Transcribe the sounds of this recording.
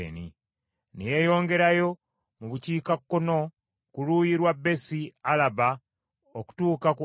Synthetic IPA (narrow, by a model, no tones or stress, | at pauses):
nḭ | neje̞jo̞ːŋɡe̞ɾajo̞ | muβuciːkakːo̞no̞ | kulujiɾwabːe̞sialaba | oku̥tuːkak